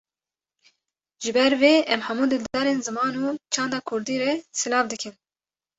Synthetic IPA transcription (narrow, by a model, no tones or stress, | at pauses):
ʒɨbɛɾveːɛmhɛmuːd̪ɨld̪d̪ɑːɾeːnzɨmɑːnuːt͡ʃʰɑːnd̪ɑːkʰʊɾd̪iːɾɛsɨlɑːvd̪ɨkʰɨn